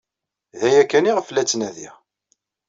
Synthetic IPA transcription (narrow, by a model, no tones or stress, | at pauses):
ðæjækːæniʁəflæt͡sːnæðḭʁ